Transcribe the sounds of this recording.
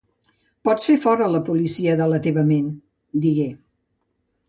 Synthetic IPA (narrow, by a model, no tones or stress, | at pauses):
pɔt͡sfefɔɾələpulisiəðələt̪eβəmen | d̪iɣe